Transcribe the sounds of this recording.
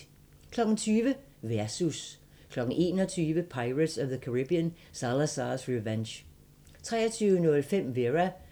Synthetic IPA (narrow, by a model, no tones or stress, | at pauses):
kʰlɒ̽ɡ̥n̩t͡sʰyːʋə | ʋæɐsus | kʰlɒ̽ɡ̥n̩ʔe̝̰ːnɒt͡sʰyːʋəpʰɑ̈ɪʁəd̥sɒʋðəkʰoʁib̥iən | sɑlæsɑsʁiʋenɕ | t͡sʰʁɛ̰ːɐt͡sʰyːʊənɔlfem̰ʋeʁæ